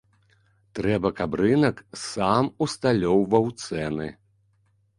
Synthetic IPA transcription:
t̪ɾɛbɐkabɾɨnɐksamust̪alʲɔwvɐwt̪sɛnɨ̰

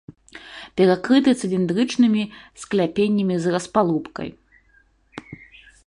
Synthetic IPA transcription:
pʲɛɾakɾɨt̪ɨt̪sɨlʲind̪ɾɨt͡ʂnɨmʲisklʲapʲenʲːɐmʲizrɐspalˠupkɐ̰j

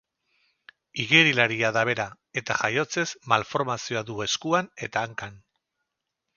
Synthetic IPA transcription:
iɣeɾilaɾiaðaβ̞e̞ɾa | e̞t̪aʝajo̞t͡se̞zmalfo̞ɾmasio̞aðue̞skuane̞t̪aːŋkan

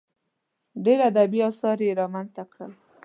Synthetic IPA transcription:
ɖeɾad̪abiɑsɑɾjeɾɑmanzt̪akɽəl

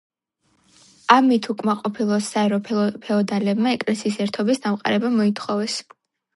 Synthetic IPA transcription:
amit̪ʰukʼmaqʼɔpʰilˠɔsaɛɾɔpʰpʰɛɔd̪alɛbmaɛkʼlɛsiːsɛɾt̪ʰɔbisd̪amqʼa̰ɾɛbamɔit̪ʰχɔvɛs

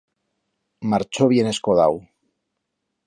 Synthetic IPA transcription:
maɾt͡ʃo̞β̞ie̞ne̞sko̞ða̰w

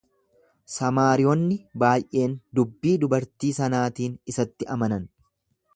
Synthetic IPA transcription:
sɐmaːɾɪjɔnːɪbaːjʔe̞ːnd̪ʊbːiːd̪ʊbɐɾt̪iːsɐnaːt̪iːnɪsɐt̪ːɪɐmɐnɐn

